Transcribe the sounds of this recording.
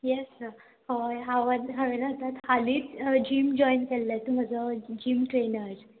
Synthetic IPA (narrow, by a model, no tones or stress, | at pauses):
jɛs | hoɦaʋənɦaʋenat̪at̪haliːt͡sd͡ʑimd͡ʑɔjnkɛlːat̪um̤ad͡zəd͡ʑiːmʈɾenəɾd͡z